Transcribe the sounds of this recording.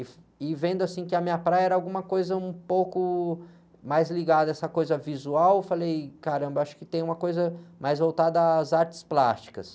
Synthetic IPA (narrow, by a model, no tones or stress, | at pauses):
ɪf | ɪvẽnd̪ʊasĩkɪɐmĩɲɐpɾajɐɛɾɐawɡũmɐkojzɐũpowkʊ | majzliɡad̪ɐɛsɐkojzɐvizuawfalejkaɾɐ̃mbɐaʃʊ̥kɪ̥t̪ẽj̃ũmɐkojzɐmajzvowt̪ad̪ɐzaɾt͡ʃɪ̥splast͡ʃi̥kɐs